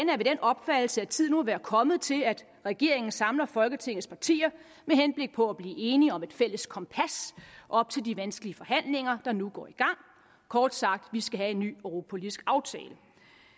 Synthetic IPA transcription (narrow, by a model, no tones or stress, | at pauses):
næɐʋe̝d̥enʔɒ̽b̥fæd̥l̩səæt͡sʰið̞̰ˠnuæʋæːɐkʰɒ̽mð̩ˠt͡sʰe̝læd̥ | ʁɛɡ̥e̝ɐ̰e̝ŋn̩sɑ̈mlɐfɒ̽lɡ̥ət͡sʰe̝ŋ̰ð̩ˠspʰɑ̈t͡sʰḭːɐ | mehenb̥le̝ɡ̥̚pʰɒ̽æb̥liːe̝ːniɒ̽me̝d̥fel̰əskʰɒ̽mpʰæsʔɒ̽b̥̚t͡sʰe̝ldiʋænsɡ̥əliəfɒ̽ɦæn̰le̝ŋɐd̥ɑ̈nuɡ̥ɒ̰ːiɡ̥ɑ̈ŋ̰ | kʰɒːd̥sɑ̈ɡ̥̚d̥ʋisɡ̥æɦæe̝nːy̰ːøʁo̝pʰo̝lisɡ̥ɑ̈ʊt͡sʰɛ̰ːlə